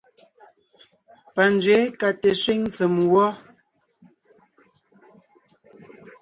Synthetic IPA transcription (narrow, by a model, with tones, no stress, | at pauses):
pa˨nd͡zɥe˨˦ka˨tɛ˨swi˦ŋ˦t͡sə˨mwɔ˦